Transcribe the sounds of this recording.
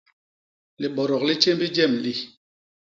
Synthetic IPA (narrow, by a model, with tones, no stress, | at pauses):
li˨ɓɔ˨ɾɔ˨k̚li˦t͡ʃe˦m˦bi˦d͡ʒɛ˦˨mli˦